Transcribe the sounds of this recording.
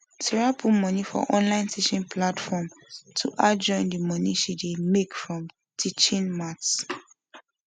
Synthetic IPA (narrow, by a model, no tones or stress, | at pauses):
tʰɛɹapʰumɔnifɔ̰ʔɔ̃nlãɪ̃ntiʃɔ̃npʰlatfɔmtʰuʔad͡ʒɔ̃ɪ̃ndəmɔniʃidemekfɹɔ̃m | tʰit͡ʃĩnmats